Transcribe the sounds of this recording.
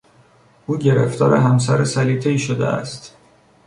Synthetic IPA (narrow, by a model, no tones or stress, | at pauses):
ʔuːɟe̞ɾḛft̪ɒːɾḛɦæms̬æɾesæliːt̪ʰeiːʃod̪ḛæ̰st̪